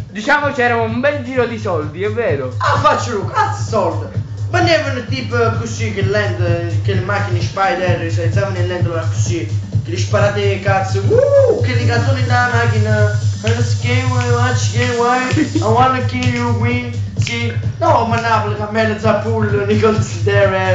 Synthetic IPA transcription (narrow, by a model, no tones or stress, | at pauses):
d̪it͡ʃaːmot͡ʃɛːɾamumbɛld͡ʒiːɾod̪isɔld̪iɛvːɛːɾoafat͡ʃːəlukat̪sə̥sɔld̪əmanːɛvənət̪ipkusːikelːɛnd̪keləmakːinəʃpajd̪ɛɾsaj̪samnelːɛnd̪əlaku̥sikɪliʃpaɾat̪ekat̪səukeliɡant̪oninamakinəənəskeməat͡ʃːkewajawanːəkːijukwisinɔmanːapləkamɛləsapulːənikɔlt̪sid̪ɛɹɛ